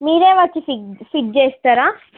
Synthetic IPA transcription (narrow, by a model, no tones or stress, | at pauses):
miːɾeːʋat͡ʃififiʈ̚d͡ʒest̪ɐɾa